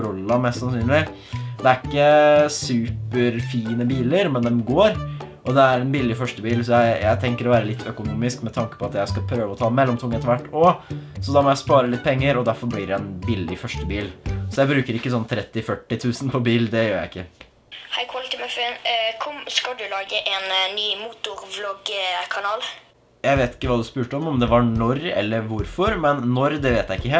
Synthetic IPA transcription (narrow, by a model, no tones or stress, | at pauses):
ɾɔlːɑmɛst̪sɑnsyːnlɪ | d̪ɛæɾɪkːəsʉːpəɾfiːnəbiːləɾmɛnd̪ɛmɡoːɾʔɔd̪ɛæɾɛnbɪlːɪfœʂʈəbiːlsɔjæɪjæɪt̪ʰɛŋkəɾɔʋæːɾəlɪt̪ːʰœkʊnuːmɪskmɛt̪ʰɑŋkəpʰɔɑt̪jæɪskɑpʰɾøːʋəɔt̪ʰɑːmɛlːɔmt̪ʰʊŋːəɛt̪ːəʋæʈːɔsɔd̪ɑːmɔjæɪspɑːɾəlɪt̪̚ːpʰɛŋːəɾɔd̪æɾfɔɾblɪːɾɛɛnbɪlːɪfœʂʈəbiːlsɔjæɪbɾʉːkəɾɪkːəsɔnːt̪ʰɾɛt̪ːɪfœʈːɪt̪ʰʉːsən̩pʰɔbiːld̪ɛjøːɾjæɪɪkːə | haɪkʰwɑlɪt̪ɪmɑfenkʰɔmskɑld̪ʉlɑːɡəʔɛnnyːmuːt̪ʊɾʋlɔɡkʰɑnɑːl | jæɪʋeːt̪ɪ̥kːəʋɑːd̪ʉspʉːʈəɔmɔmd̪ɛʋɑɳɔɾɛ̰lːəɾʋʊɾfɔɾmɛnːɔɾd̪ɛʋeːt̪jæɪɪkːəɦeː